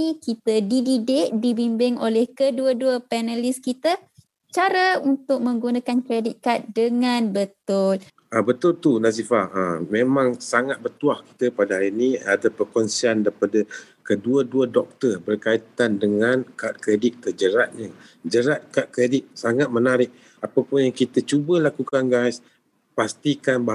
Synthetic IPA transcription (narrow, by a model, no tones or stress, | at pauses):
ikit̪ədididɪʔ̚dibimbɪŋolɛhkəduəduəpɛnəlɪskit̪ə | t͡ʃaɾəunt̪ʊk̚mə̃ŋɡunakankɾedɪt̪̚kat̪̚dəŋãnbət̪ʊl | əbət̪ʊlt̪unas̬ifaəmẽmãŋsaŋat̪̚bərt̪uahki̥t̪əpadaɦaɾinĩadapərkɔnsiandaɾipadə | kəduəduədɔk̚t̪ərbərkait̪andəŋankat̪̚kɾedɪt̪̚kəd͡ʒəɾat̪̚ɲə | d͡ʒəɾat̪̚kat̪̚kɾedɪt̪̚saŋat̪̚mənaɾɪk̚ | apapʊnjaŋkit̪ət͡ʃubəlakukanɡas | past̪ikanba